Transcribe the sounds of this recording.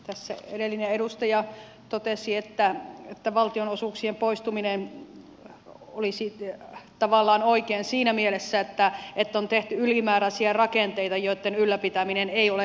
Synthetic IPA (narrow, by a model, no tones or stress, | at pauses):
t̪æsːæ̰ḛɾelːineeɾust̪ɑjɑ | t̪ot̪esiet̪ːæet̪ːæʋɑlt̪ionosuˑksiempoist̪uminen | olisit̪ɑʋɑlːɑːnoikeːnsiːnæmielesːæet̪ːæet̪ːont̪eht̪yylimæːræsiærɑkent̪eit̪ɑjot̪ːenylːæpit̪æmineneiole